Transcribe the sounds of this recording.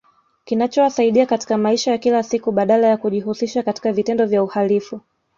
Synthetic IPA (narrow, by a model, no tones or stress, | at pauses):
kinat͡ʃɔwasaiɗiakati̥kamaiʃajakilasikuɓaɗalajakuʄihusiʃakati̥kavitɛndɔvjauhalifu